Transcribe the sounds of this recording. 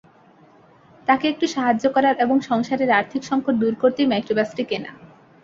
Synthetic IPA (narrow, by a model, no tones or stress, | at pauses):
t̪akeek̚ʈuʃaɦad͡ʑːokɔɾaɾeboŋʃɔŋʃaɾeɾaɾt̪ʰikʃɔŋkʰoʈ̚d̪uɾkoɾt̪emajkɾobasʈikena̰